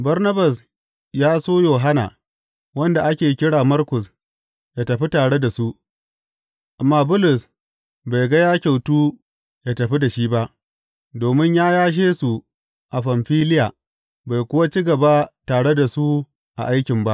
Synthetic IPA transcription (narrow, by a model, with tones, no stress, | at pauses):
bɐ˦rnɐ˦bɐ˨s | jaː˦soː˦joː˨ɦa˦na̰˨ | wɐ˦nda˨ʔa˦kʲeː˨kʲɪ˦ɽaː˨mɐ˦rkʊ˨s | jaː˦tɐ˨ɸi˦taː˨ɽe˦da˨su˦ʔ | ʔa˨mːaː˦bʊ˦lʊ˨s | ba˨jɡɐ˦jaː˦kʲa˨wtuː˦ | jaː˦tɐ˨ɸi˦da˨ʃiː˦ba˦ʔ | doː˨mɪ˦ɲjaː˦jaː˦ʃ̬eː˦su˨ | ʔa˨ɸɐ˨mɸiː˦lɪ˦jaː˨ | ba˨jkʷʊ˦wa˦t͡ʃi˦ɡɐ˨ba˦taː˨ɽe˦da˨su˦ | ʔa̰˨ʔa˦jkʲɪ˨mba˦ʔ